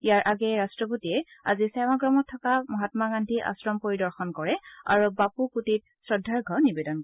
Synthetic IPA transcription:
ijaɹʔaɡɛɹastɹɔp̬otiɛa̰zisɛmaɡɹɔmɔtʰːɔkamɔɦatmaɡandʱiʔa̰sɹɔmpoɹidɔɹxɔnkɔɹɛa̰ɹubapukutit̚sɹɔdʱːaɹɡʱɔnibɛdɔnkɔɛ

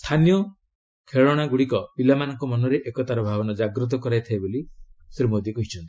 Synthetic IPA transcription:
st̪ʰanjɔ | kʰeɭɔɽ̃aɡuɽikɔpilamanɔŋkɔmɔnɔɾeʔekɔt̪aɾɔbʱabɔnɔd͡ʒaɡɾut̪̬ɔkɔɾajt̪ʰaebolisɾimod̪ikuɦit͡ʃʰɔnt̪i̥

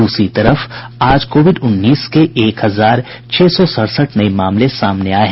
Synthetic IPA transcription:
ʊsɾit̪ɐɾəf | aːd͡ʒkoːʋɪɖʊnːiːskeʔeːkɦɐzaːɾ | t͡ʃʰɛːsɔsəɽsəʈnɐimaːmlesaːmneaːɦɛ̃

